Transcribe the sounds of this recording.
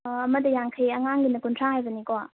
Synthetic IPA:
ɐməd̪əjaŋkʰəjɐŋaŋɡinɐkuntʰaɦajbənikɔa

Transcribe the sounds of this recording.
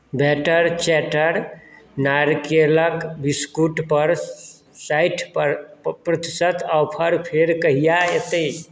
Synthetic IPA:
bɛʈəɾt͡ʃɛʈəɾ | naɾkeləkbiskuʈpəɾ | sajʈʰppɾət̪isəd̪awpʰəɾpʰeɾkəɦijaet̪əj

